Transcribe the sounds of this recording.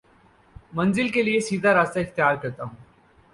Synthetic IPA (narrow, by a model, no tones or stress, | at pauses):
mɐ̃nzɪlkeliesiːd̪ʱaɾaːst̪aɪxt̪ɪjaːɾkɐɾt̪aɦũː